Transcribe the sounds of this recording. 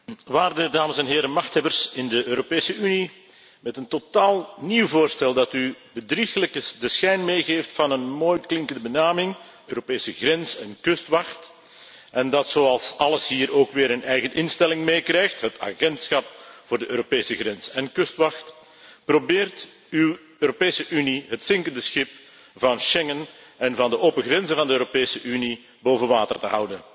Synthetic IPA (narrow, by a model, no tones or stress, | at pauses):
ʋaːrdədaːməsɛnɦeːɾəmɑxthɛbərsɪndəʔøːɾopeːsəʔyni | mɛtəntotaːlˠniwvoːrstɛlˠdɑtybədrixələkədəsxɛjnmeːɣeːftfɑnənmoːjklɪŋkəndəbənaːmɪŋ | øːɾopeːsəɣrɛnzɛnkɵstʋɑxt | ʔɛndɑtsoːɑlˠsɑləsɦiːɾoːkʋeːɾənɛjɣənɪnstɛlɪŋmeːkrɛjxtɦəta̰ːɣɛntsxɑp̚vʊːrdəʔøːɾopeːsəɣrɛnsɛnkʏstʋɑxt | probɪːrt | yw | øːɾopeːsəʔyniɦətsɪŋkəndəsxɪp | vɑnʃɛŋənɛnvɑndəʔoːpəɣrɾɛnzənvɑndəøːɾopeːsəʔyni | boːvənʋaːtərtəɦʌwdən